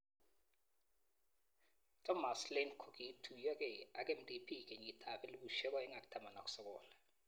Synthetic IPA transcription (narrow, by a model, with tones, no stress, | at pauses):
tʰɔ˦ma˨slenkʰo˨ki˨tʰu˨jɔ˦k̬ɛ˨a˨k̬ʼe˦m̩dʼi˨pʰi˦k̬ʼe˨ɲi˨tʰa˨ɓɛ˦li˦kuʃɛ˦k̬ʼwaɛ˦ŋa˨k̬ʼu̥˦tʰa˦ma˨na˨k̬ʼu̥sɔ˦k̬ʼɔːla